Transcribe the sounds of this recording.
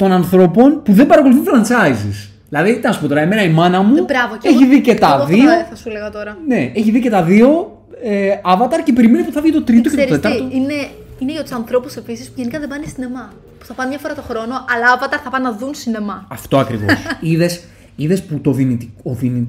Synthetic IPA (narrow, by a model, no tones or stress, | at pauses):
t̪o̞nɐnθɾo̞po̞npuðembɐɾɐko̞luθifɾɐnt͡sɐizis | ðilɐðit̪nɐsu̥po̞t̪oɾɐemenɐimɐnɐmubɾɐvoeçiðicett̪ɐðioθɐsuleɣɐt̪o̞ɾɐneeçiðice̞t̪ɐðio̞ | eɐvɐt̪ɐɾce̞pe̞ɾiminipuθɐvʝit̪ot̪ɾitt̪okeoet̪ɐɾt̪oine | ineʝɐt̪usɐnθɾo̞puse̞pisispuʝenikɐðebɐnest̪inemɐ | pu̥θɐpɐnemɲɐfo̞ɾɐt̪o̞xɾo̞noʔɐlɐɐvɐt̪ɐɾθɐpɐnːɐðunsinemɐɐft̪o̞ɐkɾḭvo̰siðes | iðesput̪o̞ðinit̪ikoðini